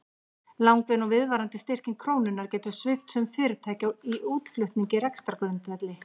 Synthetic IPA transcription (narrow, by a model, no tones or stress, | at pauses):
lawŋkvɪnɔɣvɪðvaːɾant̪ɪst̪ɪr̥cɪnkʰɾoːwnʏnːaɾ̥cɛːt̪ʏ̥svɪpt̪sɛmfɪːɾɪɾt̪ʰaːjcaiʔuːt̪flʏht̪niɲcɪɾɛkst̪ɾaɾkœnt̪ɛt̪lɪ